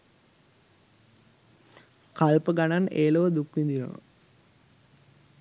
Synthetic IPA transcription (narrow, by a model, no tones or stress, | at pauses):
kalpəɡananeːloʋəd̪ukʋind̪iɾo̰nə̰